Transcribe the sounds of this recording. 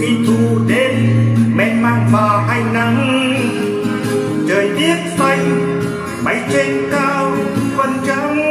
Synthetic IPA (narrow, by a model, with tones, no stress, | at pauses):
ḭ˧˦t̪u˧˩ɗe˧nmɛ˧˨nma˧˨nvaː˨˩ɦa˧˩jna˧˩m | t͡ɕəː˨˩jzi˦˥ət̚sa˧˩j | ɓa˨˦jt̪e˨˥nkaː˧wkə˧nt͡ɕə˧˦